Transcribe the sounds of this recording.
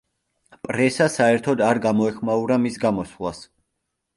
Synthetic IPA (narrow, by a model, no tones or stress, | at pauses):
pʼɾɛsasaɛɾt̪ʰɔd̪aɾɡamɔɛχmauɾamisɡamɔsvlˠas